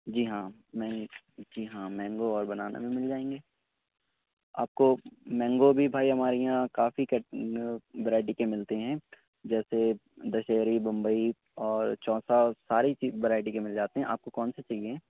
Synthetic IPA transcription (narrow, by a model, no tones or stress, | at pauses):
d͡ʒiːɦãːmɛ̃ːŋ | d͡ʒiːɦãːmɛ̃ːŋɡoɔːɾbɐnaːna̰mẽmɪld͡ʒaːẽːŋɡeː | a̰ːp̚komɛ̃ːŋɡobʱibʱaːiɦɐmaːɾijãkaːfikɐʈnʋəɾaːɪʈ̬ikemɪlt̪eɦɛ̃ː | d͡ʒɛːsed̪ɐʃeːɾibɐ̃mbəi | ɔːɾt͡ʃɔːsasaːɾit͡ʃiːʋəɾaːɪʈikemɪld͡ʒaːt̪eɦɛ̃ʔa̰ːp̚kokɔːnset͡ʃɐlieɦɛ̃ː